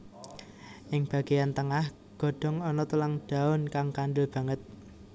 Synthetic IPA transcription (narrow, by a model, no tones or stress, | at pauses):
ʔɪŋb̥ä̤ɡ̥ejant̪əŋah | ɡ̥ɔ̤ɖ̥ɔ̤ŋɔnɔt̪ulaŋɖ̥a̤ʊnkaŋkaɳɖʊlb̥ä̤ŋət̪̚